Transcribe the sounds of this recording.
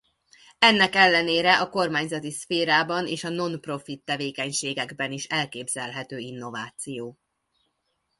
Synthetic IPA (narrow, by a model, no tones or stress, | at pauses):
ɛnːɛkɛlːɛneːɾɛʔɒko̞rmaːɲzɒt̪isfeːɾaːbɒneːʃɒno̞npro̞fit̪ːɛveːkɛɲʃeːɡɛɡbɛniʃɛlkeːbzɛlɦɛt̪øːinːo̞vaːt̪sijoː